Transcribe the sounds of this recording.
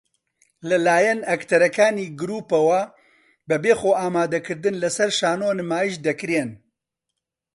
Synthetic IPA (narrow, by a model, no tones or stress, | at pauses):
lɐlaːjɛnɐkt̪ʰɐɾɐkaːniːɡɨɾuːpɐwɐ | bɐbeːxoːʔaːmaːd̪ɐkʰɨɾd̪ɨnlɐsɐɾʃaːnoːnɨmaːjiʃd̪ɐkɾeːn